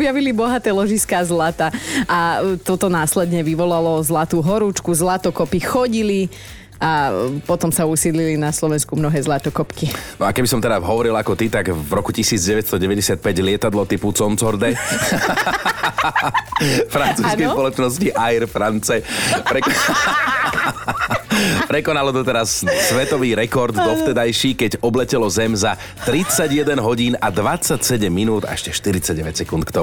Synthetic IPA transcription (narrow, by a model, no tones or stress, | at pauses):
ɔbjaʋilibɔɦat̪ɛːlɔʒiskaːzlat̪aʔat̪ɔt̪ɔnaːslɛd̪ɲɛʋiʋɔlalɔzlat̪uːɦɔɾuːt͡ʃkuzlat̪ɔkɔpixɔɟili | apɔt̪ɔmsausiːd̪lilinaslɔʋɛnskumnɔɦɛːzlat̪ɔkɔpkinɔakɛbisɔmt̪ɛɾaɦɔʋɔɾilakɔt̪it̪aɡvɾɔkucisiːd͡zɟɛʋɛt̪st̪ɔɟɛʋɛɟɛsɪat̪̚pɛɟlɪɛt̪ad̪lɔt̪iput͡sɔnt͡sɔɾd̪ɛ | fɾant͡suːskɛjspɔlɔt͡ʃnɔsciʔajɾfɾant͡sɛpɾɛkɔ | pɾɛkɔnalɔt̪ɔt̪ɛɾasːʋɛt̪ɔʋiːɾɛkɔɾd̪d̪ɔft̪ɛd̪ajʃiːkɛɟɔblɛcɛlɔzɛmza | t̪ɾit͡saɟjɛd̪ɛnɦɔɟiːnad̪ʋat͡sacsɛɟɛmːinuːd̪a̰ɛʃcɛʃt̪iɾit͡saɟɟɛʋɛcsɛkunt̪kt̪ɔ